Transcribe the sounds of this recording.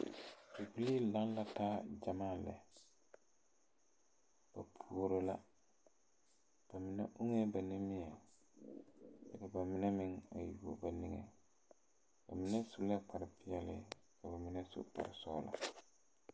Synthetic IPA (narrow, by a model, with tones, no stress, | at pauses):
i˨pi˦li˦lã˦nla˦taː˦d͡ʒa˨mãː˦˨lɛ̰˨ | b̥a˨pʰu˨o˦ɾo˦la˦ | b̥a˨mɪ˨nɛ̰˦ʔu˦ŋe˦ba˨nĩ˦mɪ˦a˨ | dɛ˨ka˨ba˨mɪ˦nɛ˦mɪ̃˦ŋa˨ju˨ko̰˨ba˨ni˨ŋḛ˨ | ba˨mɪ˦nɛ˦sʊ˦lɛ˦k͡pa˨ɾɪ˦pɪ˦ɛ˦lɪ̰˦ | ka˨ba˨mɪ˦nɛ˦sʊ̰˦k͡pa̰˨ɾɪ˨sɔː˦la̰˨